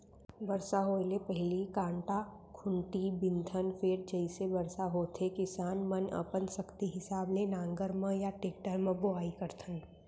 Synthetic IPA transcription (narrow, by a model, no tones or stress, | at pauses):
bɐɾsaɦoːlepɐɦɪlikãːɳʈakʰʊ̃ɳʈibɪ̃nd̪ʱənfeːɾd͡ʒəɪsebɐɾsaɦoːt̪ʰekɪsaːnmɐnə̰pənsɐkt̪iɦɪsaːblenãːŋɡəɾmə̃jaʈeːk̚ʈəɾmə̃bʊaːikɐɾt̪ʰən